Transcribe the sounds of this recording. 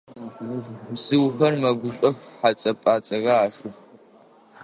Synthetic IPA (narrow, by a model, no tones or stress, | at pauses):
bz̥ɨwxɐrmɐɡʷʊɕʼɐxħat͡sʼɐpʼaːt͡sʼɐɣɐaːɕʼʊx